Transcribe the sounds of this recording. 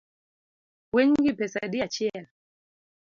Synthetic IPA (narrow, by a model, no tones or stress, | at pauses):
wɛŋɡipɛsa̰ɗiat͡ʃɛa